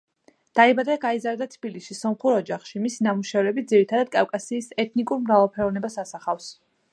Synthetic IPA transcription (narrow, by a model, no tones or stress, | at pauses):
d̪̥aibad̪ɛɡaizaɾd̪at̪ʰb̥iliʃisɔmχuɾɔd͡ʒaχʃimisinamuʃɛvɾɛbit̪̚ʰziɾit̪ʰad̪ad̪̥̚kʼafkʼasiːsɛt̪ʰnikʼuɾmɾavalˠpʰɛɾɔvnɛbasasaχafs